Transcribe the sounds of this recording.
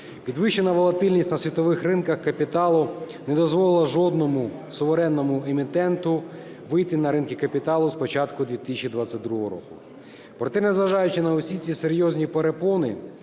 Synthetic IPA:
pʲid̪ʋɪʃt͡ʃenɐʋɔlˠɐt̪ɪlʲnʲisʲtʲnɐsʲʋʲit̪ɔʋɪxrɪnkɐxkɐpʲit̪ɑlˠʊ | nɛd̪ɔzʋɔlˠɪlˠɐʒɔd̪nɔmʊsɔʋeɾɛnːɔmʊemʲit̪ɛnt̪ʊ | ʋɪjt̪ɪnɐɾɪnkʲɪkɐpʲit̪ɑlˠʊspɔt͡ʃɑt̪kʊd̪ʲʋʲit̪ɪ̥sʲɐt͡ʃid̪ʋat͡sʲːɐt̪̚ʲd̪ɾuɦɔɾɔ̰kʊ̰ | pɾɔt̪ɛnɛzʋɐʒɑjʊt͡ʃɪnɐʊsʲit͡sʲiseɾʲjɔzʲnʲipeɾepɔnɪ

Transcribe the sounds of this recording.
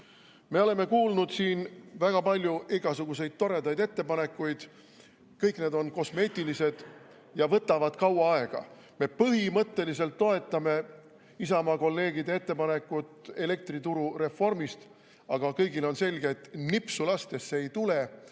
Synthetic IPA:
me̞o̞le̞me̞kuːlnud̪̥siːnvæɡ̥ɑpɑlʲːjuʔiɡ̥ɑsuɡ̥use̞jd̪̥̚t̪o̞ɾe̞d̪ɑjd̪e̞t̪ːe̞pɑne̞kːˑujd̪̥ | kɤjkne̞ːd̪o̞nko̞sme̞ːt̪ʲːˑilise̞d̪̥ | jɑvɤt̪ːˑɑvɑd̪̥kɑwɑɑe̞ɡ̥ɑ̰ | me̞pɤɦimɤt̪ːe̞lise̞lt̪ːo̞e̞t̪ːˑɑme̞ | isɑmɑko̞lːe̞ːɡid̪ee̞t̪ːe̞pɑne̞kːˑut̪e̞le̞k̚t̪rit̪uɾure̞fːo̞rmist̪ | ɑɡ̥ɑkɤjɡilo̞nse̞lʲɡe̞t̪ːnipsulɑst̪e̞sːeejt̪ule̞

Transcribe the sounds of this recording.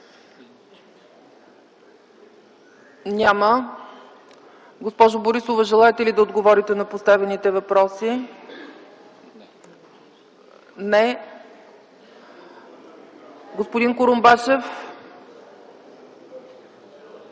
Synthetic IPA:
nʲamə | ɡospɔʒʊboɾisovəʒɛlˠaɛt̪ɛlid̪ɐod̪ɡovɔɾit̪ɛnɐpost̪avɛnit̪ɛvɐpɾɔsi | nɛ | ɡospod̪inkʊɾombat͡ʃɛf

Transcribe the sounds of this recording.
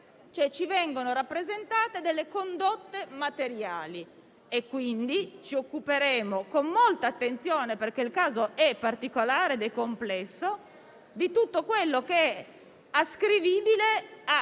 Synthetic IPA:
t͡ʃoɛt͡ʃivɛŋɡonoɾapːɾezent̪aːt̪ed̪elːekond̪ot̪ːemat̪eɾjaːli | ekːwind̪it͡ʃiokːupeɾeːmokomːolt̪aːt̪ːent̪sjoːneperk̟eilkaːzoʔɛpːart̪ikolaːɾed̪ekomplɛsːo | d̪it̪ut̪ːokwelːokeɛ | askɾiviːbilea

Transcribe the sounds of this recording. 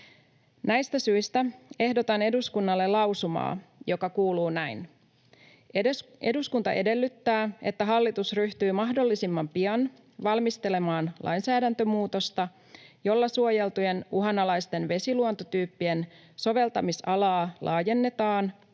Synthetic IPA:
næjst̪æsyist̪æe̞hdo̞t̪ɑne̞duskunːɑlːe̞lɑwsumɑ̰ːjo̞kɑkuːluːnæin | e̞duskunt̪ɑʔe̞de̞lːyt̪ːæːe̞t̪ːæɦɑlːit̪usryht̪yːmɑɦdo̞lːisimːɑmpiɑn | ʋɑlmist̪e̞le̞mɑːnlʔɑ̰jnsæːdænt̪ømuːt̪o̞st̪ɑ | jo̞lːɑsuoje̞lt̪uje̞nuɦɑnɑlɑjst̪e̞nʋe̞siluo̞nt̪ot̪yːpːie̞n | so̞ʋe̞lt̪ɑmisɑlɑːlʔɑːje̞nːe̞t̪ɑːn

